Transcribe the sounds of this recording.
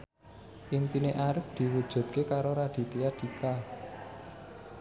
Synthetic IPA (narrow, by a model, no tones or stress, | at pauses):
ʔimpineʔaɾɪfd̪̥i̤wud̥ʒ̥ṳt̪̚kekaɾoɾad̪̥i̤t̪iad̪̥i̤ka